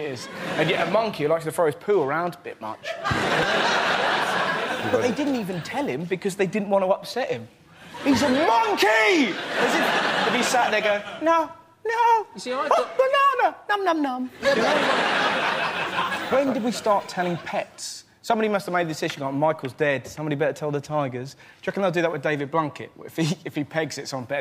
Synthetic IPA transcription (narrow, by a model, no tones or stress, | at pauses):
ɪz̥ɨ̃njɛʔəmʌ̃ŋkʰilaɪk̚ʃðəfɔɹɨz̥pʰʉə˞ãʊ̃ndəbɪ̰ʔ̚mʌ̰t͡ʃ | bʌʔðeɪdɪdⁿn̩tivɨ̃n̩tʰɛlˠɪ̃mbɨkʰʌzðeɪdɪdⁿn̩ʔwɑ̃ntəʌpsɛʔhɪ̃m | hizəmʌ̃ŋkiɪzɪ̃ɨvisaʔðɛɪɡoʊnoʊ | noʊ | bənanənʌ̃mnʌ̃mnʌm | wə̃ndɨd̚wistɑˑɹtʰɛlˠɪ̃ŋpʰɛts | sʌ̃mbɑɾimʌstəvmeɪd̪̚ðɨdɪsɪʒə̃n̩ɡə̃nmaɪkl̩ˠzdɛd̥sʌ̃mbɑɾibɛɾətʰɛlˠðətʰaɪɡə˞z̥ | d̥ʒ̥ʌkə̃nðeɪlˠdɨðəʔwɨðdeɪvɨd̚blãŋkɨ̰ʔ̚ɪ̰fiɪfipʰɛɡzɨtsn̩pɛ